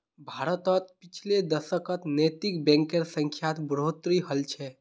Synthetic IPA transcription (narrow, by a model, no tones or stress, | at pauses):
bʱaɾət̪ət̪pit͡ʃʰled̪əsəkət̪net̪ikbɛ̃ŋkeɾsə̃ŋkʰjat̪bɾot̪ɾiɦəlt͡ʃʰɛ